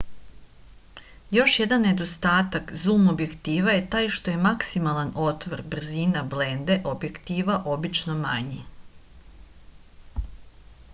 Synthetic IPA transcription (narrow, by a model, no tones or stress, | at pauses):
jo̞ʃje̞d̪anːe̞d̪o̞st̪aːt̪akzuːmo̞bje̞kt̪iːʋaje̞t̪aːjʃt̪o̞je̞maksimalˠano̞t̪ʋoɾbr̩ziːnable̞nd̪e̞ʔo̞bje̞kt̪iːʋaʔo̞bit͡ʃno̞maɲi